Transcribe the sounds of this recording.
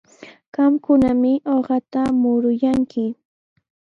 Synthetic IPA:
ɢɑmkʊnamɪʔoɢɑt̪amʊɾʊjaŋkʰɪ

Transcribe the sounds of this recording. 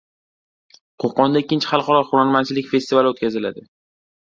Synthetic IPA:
qʰoqɒnd̪aɪkʲːɪnt͡ʃʰɪ̥χɑlˠχɒɾɒχʊɾaɾmant͡ʃʰɪlɪkʲfe̞st̪ivalɪot̪̚kʲazɪla̰d̪ɪ

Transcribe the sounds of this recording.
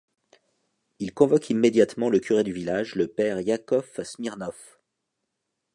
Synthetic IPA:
ilkɔ̃vɔkʰimːed̪jat̪mɑ̃ləkʲyʁed̪yvilaʒləpɛʁjakɔfsmiʁnɔf

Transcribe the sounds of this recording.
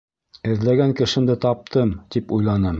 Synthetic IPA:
ɘ̆ðlæɡæŋkɘ̆ʃɘ̆md̪ɘt̪ɑp̚t̪ɤmt̪ipujlˠɑnɤm

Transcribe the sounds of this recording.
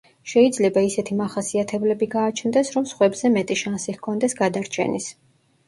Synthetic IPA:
ʃɛid̪zlɛbaisɛt̪ʰimaχasiat̪ʰɛblɛbiɡaːt͡ʃʰnd̪ɛsɾɔmsχwɛbzɛmɛt̪ʼiʃansihkʰɔnd̪ɛsɡad̪aɾt͡ʃʰɛ̰nḭs

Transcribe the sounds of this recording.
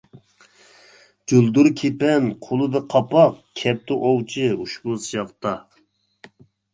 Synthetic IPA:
d͡ʒulˠd̪uɾkʲʰepɛnqʰolˠɨd̪ɨqʰɑpɑqkʲʰɛp̚t̪ɪʔowt͡ʃʰɪuʃbusjɑqt̪ɑ

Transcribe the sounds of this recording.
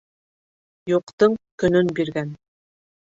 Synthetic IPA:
juqt̪ɤɴkɵ̆nɵnbiɾɡæn

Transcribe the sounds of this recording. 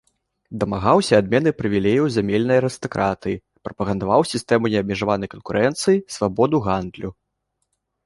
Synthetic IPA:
d̪ɐmaɣawsʲɐad̪mʲɛnɨpɾɨvʲilʲejɐwzʲamʲelʲnɐjɐɾɨst̪ɐkɾʔat̪ɨji | pɾɐpɐɣɐnd̪avawsʲist̪ɛmunʲɛɐb̚mʲiʐavanɐjkɐnkuɾʔɛnt̪sɨjisvabɔd̪uɣand̪lʲu

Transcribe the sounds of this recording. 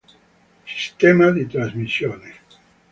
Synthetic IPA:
si̥st̪emaðit̪ɾazmisjone

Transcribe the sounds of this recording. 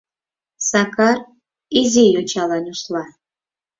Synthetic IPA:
sakʰar | izijɔt͡ʃʰalanuslˠa

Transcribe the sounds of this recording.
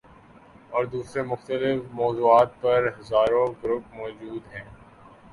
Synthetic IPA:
ɔːɾd̪uːsɾemʊxt̪əlɪfmɔːzuːaːt̪̚pɐɾɦɐzaːɾõɡɾʊp̚mɔːd͡ʒuːd̪ɦɛ̃ː

